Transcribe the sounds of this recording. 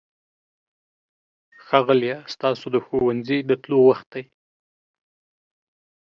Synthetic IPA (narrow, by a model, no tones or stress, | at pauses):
xɑɣaljast̪ɑsod̪əxowanzid̪ət̪lowaxt̪̚d̪aj